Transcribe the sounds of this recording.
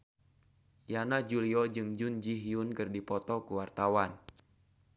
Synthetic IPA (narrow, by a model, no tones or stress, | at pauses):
janad͡ʒuliɔd͡ʒɨŋd͡ʒund͡ʒiɦiunkɨrdipɔt̪ɔkuwart̪awan